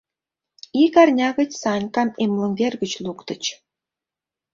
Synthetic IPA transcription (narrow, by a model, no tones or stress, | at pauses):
ikɑrnʲɑɣə̆t͡ɕsɑnʲkɑnemlˠɤ̆ŋɡʲerɡə̆t͡ɕlˠukt̪ɤ̆t͡ɕ